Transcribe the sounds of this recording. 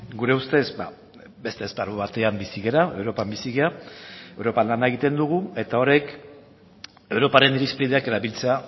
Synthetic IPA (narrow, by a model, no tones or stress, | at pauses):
ɡuɾe̞ust̪e̞sba̰ | be̞st̪espaɾuβat̪e̞ambisiɣe̞ɾae̞wɾo̞pambisiɣeae̞wɾo̞panlanae̞ɣ̞it̪e̞nd̪uɣ̞ue̞t̪ao̞ɾek | e̞wɾo̞paɾe̞niɾispɾiðeake̞ɾaβilt͡se̞a